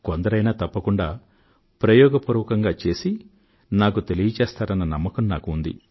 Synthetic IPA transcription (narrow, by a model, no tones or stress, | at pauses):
kond̪ɐɾɐjnaːt̪ɐpːɐkuɳɖaː | pɾɐjɔːɡɐpuɾuʋɐkɐŋɡaːt͡ʃe̞ːsi | naːkut̪elijɐt͡ʃɛːst̪aːɾɐnːɐnɐmːɐkɐmnaːkuːnd̪ḭ